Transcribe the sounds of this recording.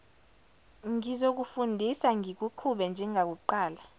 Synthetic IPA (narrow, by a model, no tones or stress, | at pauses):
ŋizok̬ufundʱisaŋik̬uǃʰuɓɛnd͡ʒʱɛŋak̬uǃaːla